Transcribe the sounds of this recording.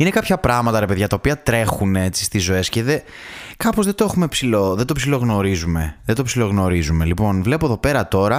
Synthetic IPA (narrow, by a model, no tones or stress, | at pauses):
ine̞kɐpçɐpɾɐɣmɐt̪ɐɾepe̞ðʝɐt̪ɐopiɐt̪ɾe̞xune̞t͡si̥st̪izːo̞e̞sce̞ðe | kɐpozðe̞d̪oexumepsiloðed̪opsilo̞ɣno̞ɾizume̞ðed̪opsilo̞ɣno̞ɾizume̞lipo̞nvle̞po̞ðo̞pe̞ɾɐt̪o̞ɾɐ